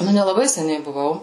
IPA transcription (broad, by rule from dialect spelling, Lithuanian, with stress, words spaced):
ˈnʊ nʲɛlˠɐˈbɐɪ sʲɛˈnʲɛɪ bʊˈʋɐʊ